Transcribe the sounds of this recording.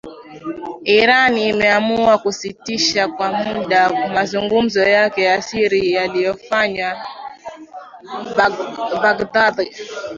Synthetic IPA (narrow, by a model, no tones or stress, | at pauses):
iɾaniːmɛamuuakusitiʃakwam̩uɗamazuŋɡum̩zɔjakɛjasiɾijalijɔfaɲwa | baɡdaði